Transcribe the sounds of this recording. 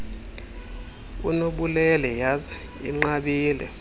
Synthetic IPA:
ṵnoɓulɛlɛjazɛ | ḭŋ͡ǃaɓiːlɛ

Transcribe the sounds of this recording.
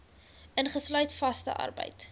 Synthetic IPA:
ʔənχəslœɥtfɐstə̰ʔɐ̰rbə̰jt

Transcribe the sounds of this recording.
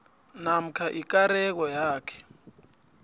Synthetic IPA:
nam̩kʰaʔik̬aɾɛk̬ɔjaːkʰɛ̥

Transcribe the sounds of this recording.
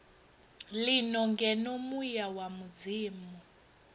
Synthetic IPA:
linɔŋɡɛnomujawamud͡ziːmu

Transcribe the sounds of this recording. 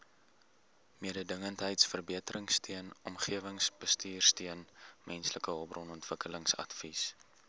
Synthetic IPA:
miədədəŋəntɦəjtsfərbiətəɾʔəŋstʰiənɔmχiəvəŋsbəstiːrstiənmɛnsləkəɔprɔnɔntv̥əkələŋsɐ̰tvis

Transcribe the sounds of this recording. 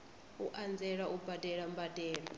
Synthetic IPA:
uʔand͡zɛɺaʔubadɛɺambadɛːɺɔ

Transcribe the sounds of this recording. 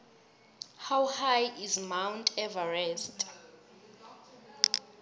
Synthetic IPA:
hawhajizmawntʰʼɛvaɹɛstʼ

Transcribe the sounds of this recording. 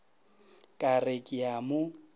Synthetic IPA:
kʼarekʼɪamʊ

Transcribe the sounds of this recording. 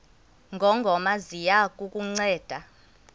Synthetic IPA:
ŋɡʱɔŋɡʱɔmazijakʼukʼuŋ͡ǀɛːd̥ʱa

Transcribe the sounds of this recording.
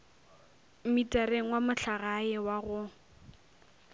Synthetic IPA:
m̩mitʼareŋ̩wamʊɬʰaɣaɪwaɣʊ

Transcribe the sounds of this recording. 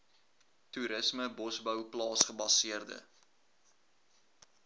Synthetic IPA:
tuɾəsməbɔsbəwplɑːsχəbɐsiərdə̰

